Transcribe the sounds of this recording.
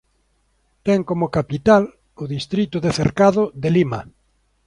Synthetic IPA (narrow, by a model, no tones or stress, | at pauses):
t̪ɛŋkomʊkapit̪al | ʊðist̪ɾit̪ʊðeθḛɾkaðʊðelima